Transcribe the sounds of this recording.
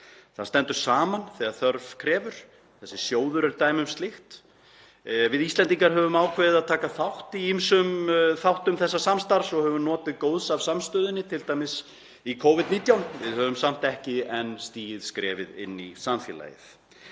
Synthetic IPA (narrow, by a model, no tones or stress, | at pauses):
θaðst̪ɛnt̪ʏɾ̥saːmanθɛːaðθœɾvkʰɾɛːvʏɾ̥ | θɛsːɪsjoːwðʏɾɛɾt̪aːjmʏmst̪lɪxt̪ | vɪðist̪lɛnt̪iŋkaɾɦœːvʏmaːwkʰvɛðɪðaðt̪ʰaːkaθawht̪iimsʏmθawht̪ʏmθɛsːasamst̪aɾsɔɣhœvʏnɔːt̪ɪðkowðsav̥samst̪œːðɪnːɪt̪ʰɪlt̪aːjmɪs | ikʰowvɪd̪niːt̪jawnvɪðhœvʏmsam̥t̪ɛhcɪɛnst̪iːjɪðskɾɛ̰ːvɪðɪ̰nːisanfjɛ̰ːla̰ːjɪ̰θ